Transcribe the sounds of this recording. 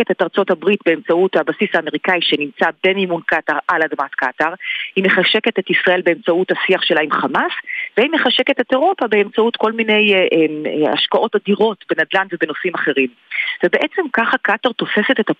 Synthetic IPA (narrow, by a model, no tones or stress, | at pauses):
etetaʁt͡so̞thabʁitbe̞emt͡sauthabasisaːmeʁikaiʃe̞nimt͡sabe̞mimunkataʁʔaladmatkataʁhimeχaʃe̞ke̞tetisʁaʔe̞lbe̞emt͡sauthasiaχʃe̞laimχamasvehimeχaʃe̞ke̞te̞te̞ʁo̞pabe̞emt͡sautko̞lmine̞jʔema̰ʃkaʔo̞tadiʁo̞tbenadlandvebe̞nosimaχe̞ʁim | vebe̞ʔet͡se̞mkaχakataʁt̪o̞fe̞se̞te̞ta